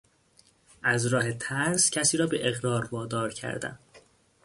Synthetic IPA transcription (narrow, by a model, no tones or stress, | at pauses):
ʔæzɾɒːhe̞t̪ʰæɾscʰæsiːɾɒːbeʔeɣɾɒːɾvɒːd̪ɒːɾcʰæ̰ɾd̪æ̰n